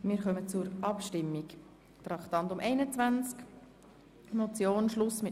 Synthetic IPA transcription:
mɪːɾχœmət͡sʊɾʔɑpʃtɪmːik | t̪ɾɑktɑntʊmʔɛɪnət͡svænt͡sk | mot͡sjoːnʃlʊsmɪ

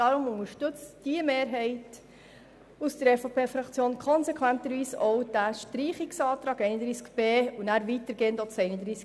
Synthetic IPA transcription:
dɑɾʊmʊŋəɾʃtɵt͡std̥iəmeːɾɦɛɪt | usd̥əɾɛfopʰeːfɾɑkt͡sjoːnkʰɔnsɛkʰʋænt̪əɾʋiːsɔwd̥æʃtɾiːχɪksɑːt̪ɾɑːɡɛɪnəd̪ɾiːskb̥eːunæːɾʋitəɾɡ̥eːndot͡sɛɪnəd̪ɾiːsk

